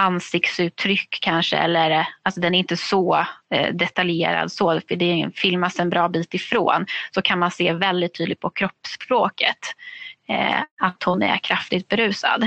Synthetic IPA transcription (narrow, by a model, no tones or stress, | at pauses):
ansɪkt̪sʉ̟ːt̪ʰːɾʏkʰːanʂə̰ɛ̰lːəɾalsɔd̪ɛnæɾɪnt̪əsɔ | d̪ɛt̪aljḛːɾa̰d̪sɔfəɖ̪ɛfɪlmasɛnbɾɑːbiːt̪ɪfɾo̰ːnsɔkʰanmanseːvɛld̪ɪt̪ʰːyːd̪lɪɡ̪̚pʰɔkʰɾɔpːspɾoːkʰət̪ | at̪hʊnæ̰ɾkʰɾaft̪ɪɡ̚t̪̚bɛɾʉ̟ːsa̰d̪